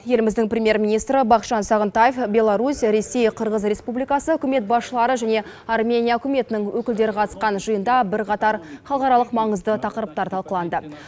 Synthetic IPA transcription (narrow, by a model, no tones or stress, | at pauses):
je̞lɪmɪzd̪ɪŋprʲemʲje̞ɾmʲinijst̪ɾəbɑqʃɑnsɑʁənt̪ajefbʲe̞lˠɑɾusɾe̞sːe̞jqʰəɾʁəzɾʲe̞spublijkɑsəɵkʲɪme̞t̪̚bɑsʃəlˠɑɾəʒæne̞ | ɑrmʲe̞nʲijaɵkʲʰʊme̞t̪ɪnɪŋwɵkʲɪld̪e̞ɾɪqʰɑt̪ə̥sqɑnʒəjənd̪ɑbɪɾqʰɑt̪ɑɾχɑlˠqɑɾɑlˠəqmɑɴəzd̪ət̪ʰɑqəɾəp̚t̪ɑɾt̪ʰɑlˠqəlˠɑnd̪ə